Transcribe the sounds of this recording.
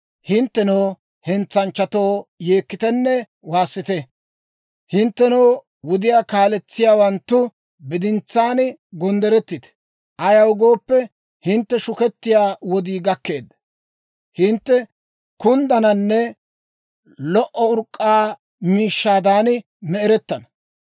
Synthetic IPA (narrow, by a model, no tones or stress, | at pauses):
hɪnt̪ːɛnoː | hɛnt͡sːɐnt͡ʃːɐt̪oːjeːkːɪt̪ɛnːɛ | waːsːɪt̪ɛ | hɪnt̪ːɛnɐː | wɔd̪ɪjaːkaːlɛt͡sːɪjaːwɐnt̪ːʊ | bɪd̪ɪnt͡sːaːnɡɔnd̪ɛɾɛt̪ːɪt̪ɛ̥ | ʔɐjɐwɡoːpːɛ | hɪnt̪ːɛʃʊkɛt̪ːɪjaːwɔd̪iːɡɐkːe̞ːd̪ːɐ | hɪnt̪ːɛ | kʊnd̪ɐnɐnːɛ | lɔʔɔʊɾkʼːaː | miːʃːaːd̪aːnɪ | mɛɛɾɛt̪ːɐnɐ